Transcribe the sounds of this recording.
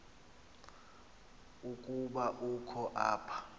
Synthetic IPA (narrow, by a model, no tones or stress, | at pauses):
ukʼuɓaʔukʰɔʔa̰ːpʰḁ